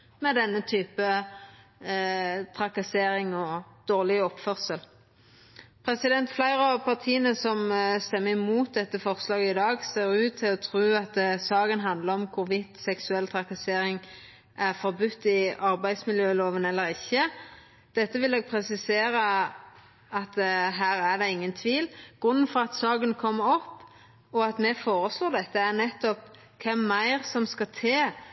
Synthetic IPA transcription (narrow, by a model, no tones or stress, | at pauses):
mɛd̪ɛnːət̪ʰyːpə | t̪ʰʁɑkɑseːɾɪŋɔd̪̥oːʁlɪɔpfœʁsəl | pʰʁɛsɪd̪ɛnt̪flæɪʁpʰɑʁt̪ʰiːənəsɔmst̪ɛmːəɪmuːt̪̚d̪ɛt̪ːəfɔʁslɑːɡəɪd̪ɑːɡseːɾʉːt̪ʰːɪlɔt̪ʰʁʉːɑt̪̚d̪ɛsɑːɡənɦɑnd̪ləʁɔmkʰʊʁʋɪt̪sɛksʉɛlt̪ʰʁɑkɑseːɾɪŋ | ʔæʁfɔʁbʉt̪ːɪɑɾbæɪd̪smɪljøːloːʋənɛlːəɾɪçːə | d̪̥ɛt̪ːəʋɪleːɡ̚pʰɾɛsɪseːɾə | ɑt̪ɦæːɾæʁɖ̪ɛɪŋːənt̪ʰʋiːlɡ̥ʁʉnːənfɔɾɑt̪sɑːɡənkʰɔmːəɔpː | ɔɑt̪mɛfoːɾəsloːd̪ɛt̪ːəæɾnɛt̪ːɔp | kʰɛmːæɪʁsɔmskɑt̪ʰeː